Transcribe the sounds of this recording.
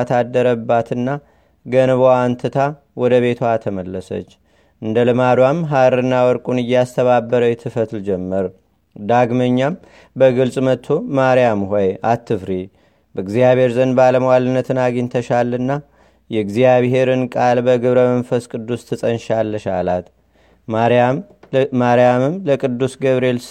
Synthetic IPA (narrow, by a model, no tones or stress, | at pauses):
t̪ʰad̪ːəɾəbːat̪ʰɨnːa | ɡənβoant̪ʰɨt̪ʰa | wɔd̪əβe̞t̪ʰwat̪ʰəməlːəsə̰t͡ʃː | ʔɨnd̪əlɨmad̪wamɦaɾɨnːawɔɾkʼunɨjːast̪ʰəβabːəɾəjɛt̪ʰɨfət̪ld͡ʒɛmːəɾ | d̪aɡməɲːam | bəɡɨlsʼmət̪ʰːomaɾijamhɔjat̪ʰːɨfɾi | bəɡzijaβhe̞ɾzənbaləməwalɨnːət̪ʰɨnaɡint̪ʰəʃalɨnːa | jɛɡzijaβɦe̞ɾɨnkʼalbəɡɨβɾəmənfəskʼɨd̪ːust̪ʰɨsʼənʃalːəʃa̰lat̪ | maɾammaɾjamɨmləkʼɨd̪ːusɡəβɾel